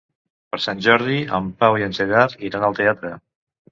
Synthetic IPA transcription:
pəɾsanʲʒɔɾð̞iəmpawiənzeɣaɾiɾanəlˠt̪eat̪ɾə

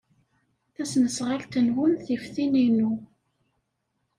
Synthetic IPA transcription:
θæsnəsʁalt̪ənwʊnθifθininu

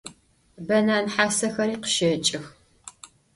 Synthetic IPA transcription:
bɐnaːnħaːsɐxɐɾiːqə̥ʃɐt͡ʃʼɪx

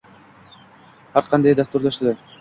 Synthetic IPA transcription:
aɾqɑnd̪ɑjd̪ast̪uɾlaʃt̪lɛ

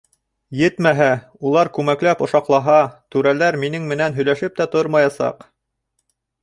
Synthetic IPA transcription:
jɘt̪mæɦæ | ulˠɑɾkʉmæklæpŏʃɑqlˠɑɦɑt̪ʉɾælæɾminɘŋmɘ̆nænɦɵ̆jlæʃɘp̚t̪æt̪oɾmɑjɑsɑ̰q

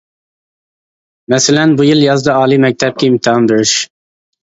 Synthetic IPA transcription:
mɛsɪlɛnbujiljɑzd̪ɨɑːlˠimɛk̚ʲt̪ʰɛp̚kʲɛimt̪ʰɨɦɑmbeɾɪʃ

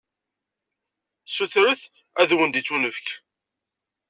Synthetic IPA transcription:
suθɾəθ | æðwənd̪it͡sːunəfk

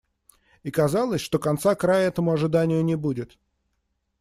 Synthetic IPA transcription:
ikɐzalˠəsʲʂt̪o̞kɐnt̪sakɾajəɛt̪əmʊɐʐɨd̪anʲɪjʊnʲɪbudʲɪt̪

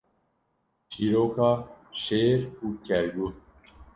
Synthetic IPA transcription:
t͡ɕiɾoːkaʃeːɾukæɾɡu

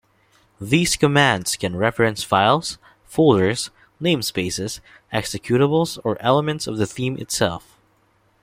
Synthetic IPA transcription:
ðiz̥kəmæ̃ndz̥kʰɨ̃nɹɛfɹɨ̃nsfaɪlˠz̥ | foʊlˠdə˞z̥ | nẽɪ̃mspeɪsɪz̥ | ɛksɨkʰj̥ʉɾəbl̩ˠzə˞ʔɛlˠəmɨ̃ntsʌvðɨθĩmɨ̰tsɛ̰lˠf

